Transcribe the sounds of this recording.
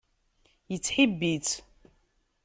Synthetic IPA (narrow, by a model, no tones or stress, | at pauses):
jət͡sːħibːit͡s